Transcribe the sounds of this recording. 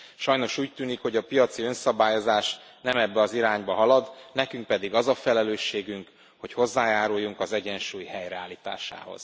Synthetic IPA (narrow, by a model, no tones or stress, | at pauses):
ʃɒjno̞ʃuːc̚t̪yːnikho̞ɟɒpijɒt̪siø̞nsɒbaːjo̞zaːʃ | nɛmɛbːɛɒziɾaːɲbɒɦɒlɒd̪nɛkyŋk̚pɛd̪iɡɒzɒfɛlɛløːʃːeːɡyŋk | hocho̞zːaːjaːɾujːuŋkɒzɛɟɛnʃuːjhɛjrɛaːliːt̪a̰ːʃa̰ːho̞̰z̥